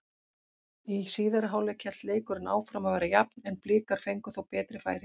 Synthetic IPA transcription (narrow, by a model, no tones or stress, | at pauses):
isiːðaɾɦaːwlɛcʰɛl̥t̪leːjkʏɾɪna̰ːwfɾamavɛːɾajapnɛnplɪːkaɾ̥fejŋkʏθowpɛːt̪ɾɪfa̰ːjɾɪ